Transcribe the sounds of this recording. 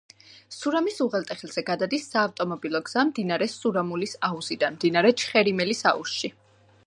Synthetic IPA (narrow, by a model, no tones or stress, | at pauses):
suɾamisuʁɛlˠt̪ʼɛχilˠz̥ɛɡad̪ad̪isːaːft̪ʼɔmɔbilˠɔɡz̥amd̪inaɾɛsuɾamulisauz̥id̪anmd̪inaɾɛt͡ʃʰχɛɾimɛlisa̰ṵsʃi